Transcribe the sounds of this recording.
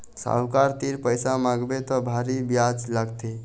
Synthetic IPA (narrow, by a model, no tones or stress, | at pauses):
sa̰wkaɾt̪iɾpəjsamaɡbet̪ɔbʱaɾibjad͡ʒlaɡt̪e